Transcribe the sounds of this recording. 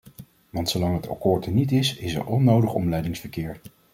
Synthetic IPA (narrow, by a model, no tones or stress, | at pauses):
ʋɑntsowlɑŋɦəta̰kʊːɹdənitɪsɪsɛ̰ɹʔɔnːowdəχɔ̰mlɛjdɪŋsfəɹkɪːɹ